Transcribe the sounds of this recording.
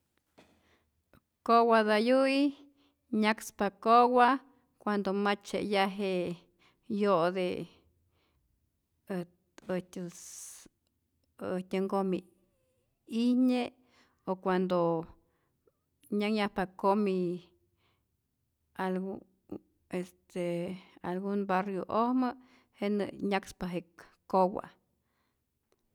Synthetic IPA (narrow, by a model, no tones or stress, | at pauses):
kowad̪ajui | ɲakspakowa | kʷand̪omat͡ʃḛjaɦeʔ | jod̪e | ət̪ʲs | ət̪ʲaŋɡomi | ihɲe | okʷand̪o | ɲaŋɲahpakomi | alɡu | est̪ealɡunbarjoʔohmə | heʔnɨ̰ɲakspaɦekowa̰